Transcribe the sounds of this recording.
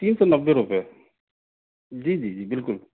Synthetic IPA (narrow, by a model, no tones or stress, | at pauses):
t̪iːnsɔnɐbːeɾupe | d͡ʒiːd͡ʒiːd͡ʒiːbɪlkʊl